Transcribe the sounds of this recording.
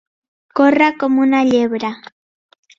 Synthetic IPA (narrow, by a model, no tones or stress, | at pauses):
koɾakomʊnaʎebɾa